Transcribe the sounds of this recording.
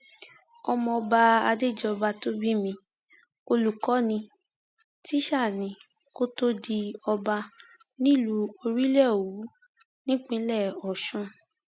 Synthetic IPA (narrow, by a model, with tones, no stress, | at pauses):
ɔ˧mɔ̃˧ɔ˧ba˧a˧de˦˨d͡ʒɔ˦˧ba˧to˦bi˦mĩ˧ | o˧lu˨kɔ˨˦nĩ˧ | ti˦ʃa˦˨nĩ˨˧ | ko˦to˦di˧ɔ˧ba˧nĩ˦˨lu˨˦o˧ɾi˦lɛ˦˨o˨wu˨˦ | nĩ˦k͡pĩ˦lɛ˦˨ɔ˨ʃũ˦